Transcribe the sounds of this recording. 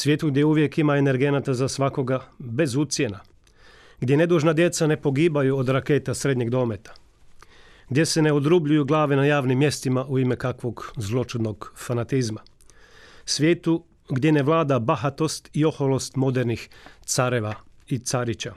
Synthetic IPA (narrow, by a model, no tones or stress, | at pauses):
sʋjeːt̪uɡd̪je̞uʋje̞kimae̞ne̞ɾɡenat̪azasʋako̞ɡabe̞zut̪sje̞na | ɡd̪ʲje̞ne̞d̪uːʒnad̪je̞t̪sane̞po̞ɡiːbajuod̪ɾake̞t̪asɾe̞d̪ɲe̞ɡd̪o̞ːme̞t̪ḁ | ɡd̪je̞se̞ne̞od̪ɾubʎujuɡlˠaːʋenajaːʋnimːje̞st̪imaʔuimekakʋo̞ɡzlˠo̞t͡ʃud̪noɡfanat̪izma | sʋʲje̞ːt̪u | ɡd̪je̞neʋlˠaːd̪abaxat̪o̞st̪io̞xolo̞st̪mo̞d̪eɾnixt̪saɾeʋa | it̪saɾit͡ɕa